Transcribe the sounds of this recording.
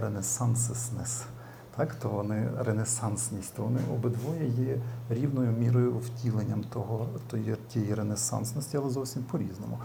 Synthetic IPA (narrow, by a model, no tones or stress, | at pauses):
ɾenesɑnssnɛs | t̪ʰɑkt̪ɔʋɔnɪɾenesɑnsnʲisʲtʲt̪ɔʋɔnɪʔɔbɪd̪ʋɔjɐjɛɾʲiwnɔjʊmʲiɾɔjʊwtʲilˠenʲːɐmt̪ɔɦɔt̪ɔjtʲɛjiɾenesɑ̰nsnɔsʲtʲiɐlˠɛzɔwsʲimpɔɾʲiznɔmʊ